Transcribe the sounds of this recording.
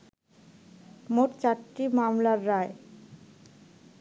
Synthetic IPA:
moʈt͡ɕaʈːimamlaɾːae

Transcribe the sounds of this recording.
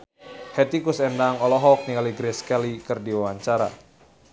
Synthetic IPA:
hɛt̪ikusɛndaŋɔlɔɦɔk̚nikaliɡɾɛskɛlikɨrdiwawaɲt͡ʃaɾa̰

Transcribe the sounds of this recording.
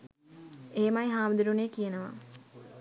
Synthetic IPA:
eːmajɦaːmud̪uɾuneːkijenəʋa̰

